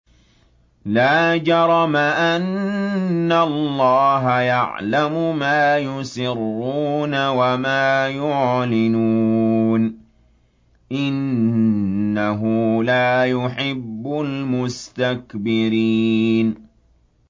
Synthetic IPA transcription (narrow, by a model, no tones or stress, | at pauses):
laːd͡ʒɑɾˤɑmaʔanː | alːɑːɦajaʕlamʊmaːjʊsɪrːuːnawamaːjʊʕlɪnuːn | ʔɪnː | aɦʊlaːjʊħɪbːʊlmʊst̪akbɪɾiːn